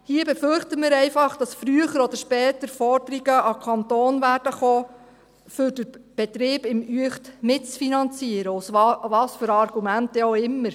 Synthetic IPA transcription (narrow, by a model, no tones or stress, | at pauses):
hiəbɛfʏrχtəmɪɾɛɪfɑχd̥ɑsfɾyəχəɾɔd̪əɾʃpɛːtəɾfɔɾd̥əɾiɡəʔɑkʰɑnt̪oːnvæːd̥əχoː | fʏɾdəɾb̥ɛtɾɪːb̥ɪmyəχtmɪtt͡sfinɑnt͡siəɾəʊsvɑvɑːsfʏɾɑrɡ̥umæntɛoɪmːəɾ